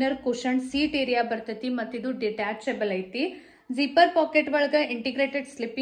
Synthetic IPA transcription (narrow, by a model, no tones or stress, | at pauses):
nɐɾkuʂɐɳsiːʈeːɾijaːbɐɾt̪ɐt̪ːimɐt̪ːid̪uɖiʈaːt͡ʃebɐlɐjt̪i | zipɐɾpaːkeʈʋɐɭɐɡɐiɳʈiɡɾeːʈeɖslipːi